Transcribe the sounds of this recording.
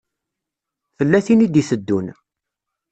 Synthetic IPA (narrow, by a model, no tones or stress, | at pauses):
θəlːæθinid̪iθəd̪ːun